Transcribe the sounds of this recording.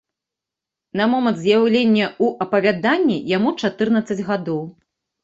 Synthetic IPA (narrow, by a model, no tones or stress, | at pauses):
nɐmɔmɐnt̪zʲjawlʲenʲːɐuʔɐpɐvʲad̪anʲːijamut͡ʂat̪ɨrnɐt̪sːɐd͡zʲɣad̪ɔw